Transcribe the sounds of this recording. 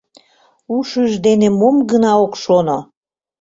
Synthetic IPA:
uʃyʒd̪enemomɡənɑokʃono

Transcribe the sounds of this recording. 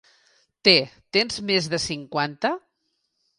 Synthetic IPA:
t̪et̪enzmezðəsiŋkwant̪ə

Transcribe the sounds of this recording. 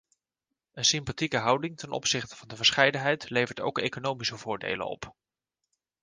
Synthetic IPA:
ənsɪmpatikəɦɑwdɪŋtɛnʔɔ̰psɪχtə̥vɑndəvəɹsχɛjdənɦɛjtlejvəɹto̰wkḛjkonowmisəvʊːɹdḛjlə̰nɔ̰p

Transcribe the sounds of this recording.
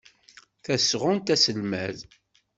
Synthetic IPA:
θæsʁʊnt̪æsəlmæð

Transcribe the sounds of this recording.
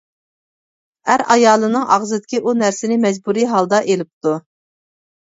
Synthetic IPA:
æɾɑjɑːlˠɨnɨŋʔɑʁzɨd̪ɪkʲiʔunæɾsɪnɪmɛd͡ʒbuɾiɦɑlˠd̪ɑʔelɪp̚t̪u

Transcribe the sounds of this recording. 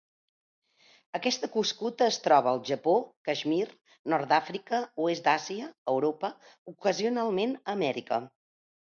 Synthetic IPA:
əkɛst̪əkuskut̪əːst̪ɾɔβəːlˠʒəpokəʒmir | nɔɾd̪afɾikəuezd̪aziəːwɾopə | ukəziunalˠmenəmɛɾikə̰

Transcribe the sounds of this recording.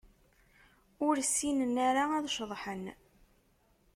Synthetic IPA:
ʊɾsːinənːaɾaæðʃðˤħən

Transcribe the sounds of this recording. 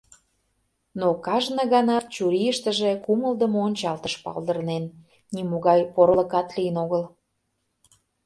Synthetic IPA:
nokɑʒnə̆ɣɑnɑt̪̚t͡ɕuɾijəʃt̪əʒekuməld̪əmoonʲt͡ɕɑlt̪əʃpɑ̰ld̪ərnenː | imoɣɑjpoɾləkɑt̪lijənoɣəl

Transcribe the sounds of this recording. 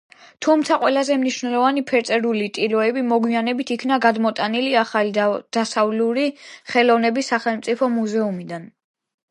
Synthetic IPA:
t̪ʰumt̪sʰaqʼwɛlazɛmniʃnɛlˠɔvanipʰɛɾt̪ʼɛɾulit̪ʼilɔɛbimɔɡwianɛbit̪ʰikʰnaɡad̪mɔt̪ʼaniliaχald̪̥asavluɾiχɛlɔvnɛbisːaχɛlˠmt̪sʼipʰɔmuzɛumid̪an

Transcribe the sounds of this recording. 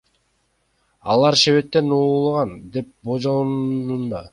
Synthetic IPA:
ɑ̰lˠɑɾʃeβe̞t̪ːe̞noːlˠʁɑnd̪e̞p̚bod͡ʒonund̪ɑ

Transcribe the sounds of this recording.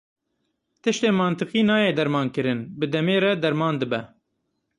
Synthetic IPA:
t̪ɨʃt̪eːmɑːnt̪ɨqiːnɑːjeːd̪ɛɾmɑːnkɨɾɨnbɨd̪ɛmeːɾɛd̪ɛɾmɑːnd̪ɨbɛ

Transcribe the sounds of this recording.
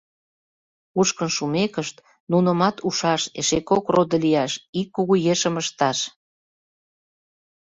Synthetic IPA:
uʃkənʃumekəʃt̪ | nunə̆mɑt̪uʃɑʃḛʃekokrod̪ə̆liɑʃikːuɣujeʃəməʃt̪ɑʃ

